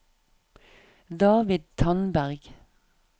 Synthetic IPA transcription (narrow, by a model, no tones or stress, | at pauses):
d̪ɑːʋɪd̪̚t̪ʰɑnbæʁɡ̥